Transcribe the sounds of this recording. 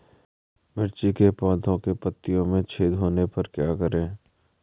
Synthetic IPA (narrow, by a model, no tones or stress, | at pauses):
mɪɾt͡ʃikepɔ̃ːd̪ʰʱõkepət̪ːijõmẽt͡ʃʰeːd̪ɦoːnepɐɾkjaːkəɾẽː